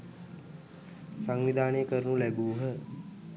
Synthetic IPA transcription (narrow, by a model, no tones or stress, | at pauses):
saŋʋid̪ʱaːnəjəkəɾnulæbuːɦə